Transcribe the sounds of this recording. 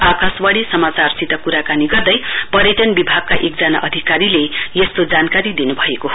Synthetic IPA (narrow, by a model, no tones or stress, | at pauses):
akaswaɽisʌmat͡sarsit̪ʌkuɾakaniɡʌrd̪ʌjpʌɾjʌʈʌnbibʱaɡ̚kaʔek̚d͡zʌna̰ʔʌd̪ʱikaɾilejest̪od͡zankaɾid̪inubʱʌekoɦ